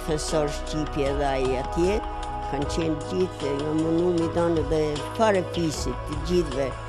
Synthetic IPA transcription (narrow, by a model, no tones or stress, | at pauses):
θɛsɔɾʃcipjɛɛðɛaiat̪jɛt | kʰant͡ɕɛnɟiθŋɡamunumid̪anɛðɛpaɾɛpisit̪ːəd͡ʑiθvɛ